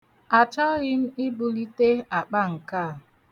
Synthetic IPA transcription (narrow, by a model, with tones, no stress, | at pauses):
a˨t͡ʃa˦ɾɪ˦m̩˦i˦bu˦li˦te˦a˨k͡pa˦ŋ̩˨kaː˦˨